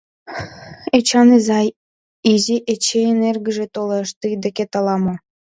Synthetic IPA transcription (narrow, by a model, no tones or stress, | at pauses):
et͡ɕɑnizɑj | izʲiʔet͡ɕeenerɡə̆ʒet̪oleʃt̪ɯd̪eket̪ɑlɑmɤ̆